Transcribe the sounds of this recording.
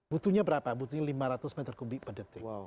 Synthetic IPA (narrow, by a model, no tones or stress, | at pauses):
but̪uɲabəɾapabut̪uɲalimaɾat̪ʊsmɛt̪ərkubɪk̚pədət̪ɪ